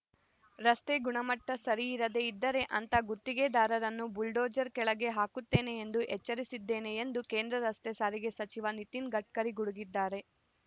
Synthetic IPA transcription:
ɾɐst̪e̞ɡuɳɐmɐʈːɐsɐɾiːɾɐd̪e̞id̪ːɐɾe̞ʔɐnt̪ɐɡut̪ːiɡe̞d̪aːɾɐɾɐnːubulɖoːd͡ʒɐɾkɛɭɐɡe̞ɦaːkut̪ːe̞ːne̞ːnd̪uʔɛt͡ʃːɐɾisid̪ːe̞ːne̞end̪uke̞ːnd̪ɾɐɾɐst̪esaːɾiɡe̞sɐt͡ʃiʋɐnit̪inɡɐʈ̚kɐɾiɡuɽuɡid̪ːaːɾe̞

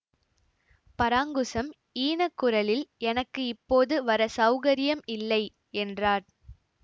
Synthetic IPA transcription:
pɐɾaːŋɡɯsɐm | iːnɐkːʊɾɐlɪlɛnɐkːɯɪpːoːðɯʋɐɾɐsɐʊɣɐɾɪjɐmɪlːɐɪ | ɛndraːɾ

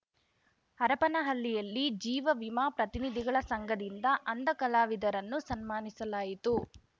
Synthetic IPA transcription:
ɐɾɐpɐnɐɦɐlːijɐlːid͡ʒiːʋɐʋimaːpɾɐt̪inid̪ʱiɡɐɭɐsɐŋɡɐd̪ind̪ɐʔɐnd̪ɐkɐlaːʋid̪ɐɾɐnːusɐnmaːnisɐlaːjit̪u

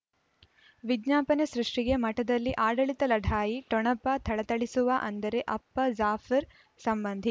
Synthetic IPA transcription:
ʋid̪ɲaːpɐnesɾuʂʈiɡe̞mɐʈɐd̪ɐlːiʔaːɖɐɭit̪ɐlɐɖʱaːjiʈɔɳɐpːɐt̪ʰɐɭɐt̪ɐɭisuʋɐʔɐnd̪ɐɾe̞ʔɐpːɐzaːfʰɐɾ | sɐmbɐnd̪ʱi

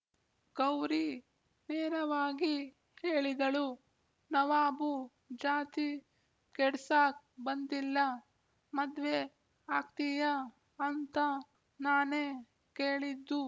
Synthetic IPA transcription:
ɡɐwɾi | neːɾɐʋaːɡi | keːɭid̪ɐɭu | nɐʋaːbu | d͡ʒaːt̪i | kɛɽsaːk̚ | bɐnd̪ilːɐ | mɐd̪ʋe | aːk̚t̪ijɐː | nt̪ɐ | naːneː | keːɭid̪ːu

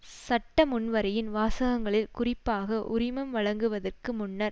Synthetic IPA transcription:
sɐʈːɐmʊnʋɐɾɐjɪnʋaːsɐɣɐŋɡɐɭɪlkʊrɪpːaːɣɐʔʊɾɪmɐmʋɐɭɐŋɡɯʋɐðɐrkɯmʊnːɐɾ

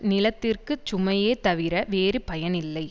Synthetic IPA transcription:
nɪlɐt̪ːɪrkɯt͡ʃʊmɐjeːt̪ɐʋɪɾɐʋeːɾɯpɐjɐnɪlːɐɪ

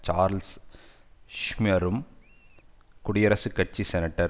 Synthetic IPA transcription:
t͡ʃaːɾls | ʃmijɐɾɯm | kʊɽɪjɐɾɐsɯkɐʈ̚t͡ʃːisɛnɐʈːɐɾ

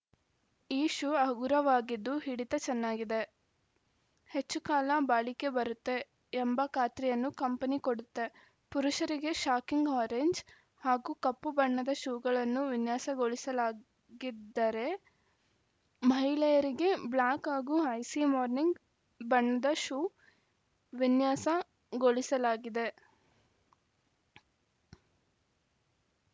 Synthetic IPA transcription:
iːʃuɐɡuɾɐʋaːɡid̪ːuɦiɽit̪ɐt͡ʃɛnːaːɡid̪e | he̞t͡ʃːukaːlɐbaːɭike̞bɐɾut̪ːe̞ː | mbɐkaːt̪ɾijɐnːukɐmpɐnikoɽut̪ːe̞ | puɾuʃɐɾiɡe̞ʃaːkiŋɡaːɾeɲd͡ʒ | haːɡuːkɐpːubɐɳːɐd̪ɐʃuuɡɐɭɐnːuʋinjaːsɐɡoɭisɐlaː | ɡid̪ːɐɾe̞ | mɐɦilɐjɐɾiɡe̞blaːkɦaːɡuɐjsimaːɾniŋɡ | bɐɳːɐd̪ɐʃuː | ʋinjaːsɐ | ɡoɭisɐlaːɡid̪e̞

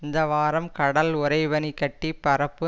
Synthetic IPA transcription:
ɪnd̪ɐʋaːɾɐmkɐɽɐlʊɾɐɪʋɐnikːɐʈːipːɐɾɐpːɯ

